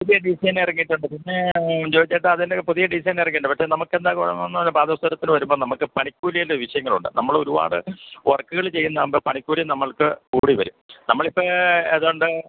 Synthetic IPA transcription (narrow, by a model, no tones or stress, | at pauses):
puðijɐɖisɐjnirɐŋːiʈːuɳɖɨpinːed͡ʑoːd͡ʑɐʈːɐɐðindepuðijɐɖisɐjnirɐŋːiːɳɖɨpɐʈkʂeːnɐmukːe̞nd̪aːkuɻɐ̰nːɐnːɐnːɐbaːd̪ɐst̪ɐɾɐt̪ːinɨʋɐɾumbo̞ːnɐmukːɨpɐɳikʲːuːɾijɐlːeʋiʂɐjɐŋːɐɭṵɳɖɨ̰nɐmːɐɭo̞ɾuba̰ːɽɨʋɐrkːɨɣɐɭt͡ɕe̞jːunːɐmbɐpɐɳikʲːuːɾjimnɐmːɐɭkɨkuːɽiʋɐɾumnɐmːɐɭipːɐeːðoɳɖɨ